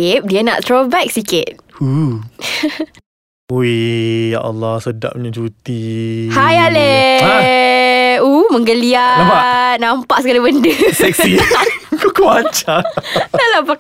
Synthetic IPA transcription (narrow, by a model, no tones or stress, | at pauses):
ɪp̚diəna̰ʔt̪ɾobɛk̚sikɪt̪̚u | oeja̰ʔalːasəda̰ʔ̚mɲəd͡ʒut̪ihajale | uməŋɡəliaaanãmpaʔsəɡalibəndusɛksikokoat͡ʃadalapak